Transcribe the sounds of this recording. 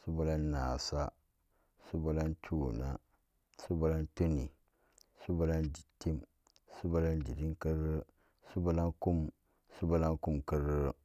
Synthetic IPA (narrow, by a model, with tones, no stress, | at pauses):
su˦ba˦la˦nː˦aː˨sa˦ | su˦ba˦la˦ntʰu˦˨na̰˦ | su˦ba˦la˦nto˦nḭ˨ | su˦ba˦la˦ndi˨tːi˦m | su˦ba˦la˦ndi˨di˦ŋkɨ˦ɾɨ˦ | su˦ba˦la˦nku˦m | su˦ba˦la˦ŋku˦mkɨ˦ɾɨ˦